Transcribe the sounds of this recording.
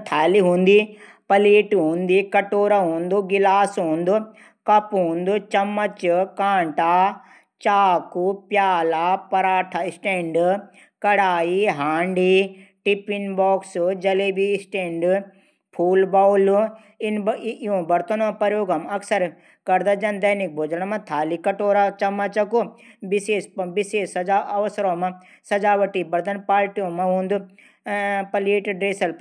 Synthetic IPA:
t̪ʰaːliɦũːnd̪iː | pɐliːʈɦũːnd̪ikɐʈoːɾaɦũːnd̪uɡɪlaːsɦũːnd̪u | kɐpɦũːnd̪ut͡ʃɐmːɐt͡ʃkãːɳʈaː | t͡ʃaːkupjaːlaːpɐɾaːʈʰaɪsʈẽːɳɖ | kɐɽaːiɦaːɳɖiːʈipinbɔːksd͡ʒɐleːbisʈẽːɳɖ | pʰuːlbaːwl | ɪnɪjõbɐɾt̪ənõpɐɾjoːɡɐmɐksəɾ | kɐɾd̪ad͡ʒɐnd̪ɐnik̚bʱoːd͡ʒəɳ̃mãt̪ʰaːlikɐʈoːɾat͡ʃɐmat͡ʃɐkobɪseːsbɪseːsɐaɐʋsɾõːmã | sɐd͡ʒaːʋɐʈibɐɾd̪ɐnpaːlʈijõmãɦũːnd̪u | pɐliːʈɖɾeːsɐl

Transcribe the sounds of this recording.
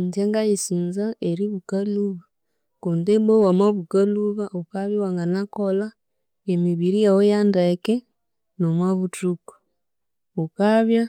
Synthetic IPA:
ntaŋɡajisinzaeɾiβukaluβa | kondebowamaβukaluβaʔokaβjawaŋɡanakola | emiβiɾijawojandeke | nomwaβutuko̥ | ukaβja

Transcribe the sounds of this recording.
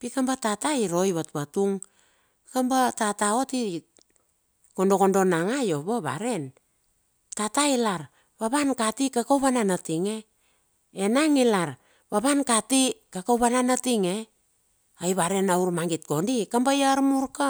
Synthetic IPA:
pikambatataiɾo̞jβatpatuŋ | kambatatao̞ti | ko̞ndo̞ko̞ndo̞naŋajo̞βoβa̰ɾe̞n | tatailaɾ | βaβankatikakawβananatiŋe̞ | enaŋilaɾ | βaβankatikakawβananatiŋe̞ | ajβaɾe̞nauɾmaŋɡit̚ko̞ndikambajaɾmuɾka

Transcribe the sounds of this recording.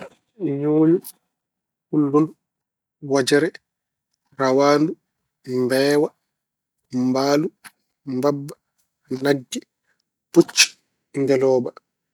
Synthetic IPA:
joːɲu | hulːun | wad͡ʒɛɾɛ | rawaːndu | mbɛːwa | mbaːlu | mbabːa | naɡːi | put͡ʃːi̥ | ndɛlɔːba

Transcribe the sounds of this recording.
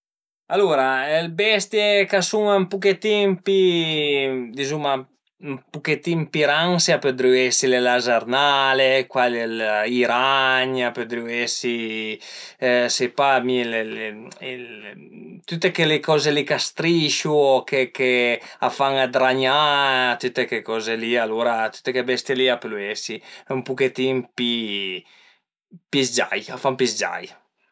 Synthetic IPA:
aluɾaɛlbɛst̪jekasuŋampuket̪iŋpi | d̪izuma | mpuket̪impiɾaŋsjapød̪ɾyɛsilelazaɾnalekwaleliɾaɲapød̪ɾyɛsi | sepamilelil | t̪ut̪ːekelekɔːzelikast̪ɾiʃukekeafaŋad̪ɾaɲat̪ut̪ːekekɔːzelialoːɾat̪u̥t̪ːekebɛst̪jeliapeluesiumpuket̪impi | pisd͡ʒa̰jafampisd͡ʒa̰j

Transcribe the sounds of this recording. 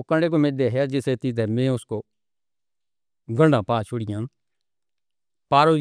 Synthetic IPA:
okə̃ɖeːk̬omeːd̪eɦɛd͡ʒɪset̪ɪt̪ɛmɛ̃ːʊsko | ɡə̃ɖãːpaːt͡ʃʰʊɽɪjãː | paːɾoː

